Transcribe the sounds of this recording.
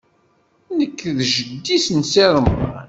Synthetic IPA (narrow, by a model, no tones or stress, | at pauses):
nəkːðʒəd̪ːisnseðˤəmːa̰n